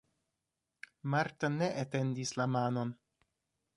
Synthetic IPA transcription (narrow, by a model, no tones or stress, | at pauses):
maɾtane̞ʔete̞ndislamano̞n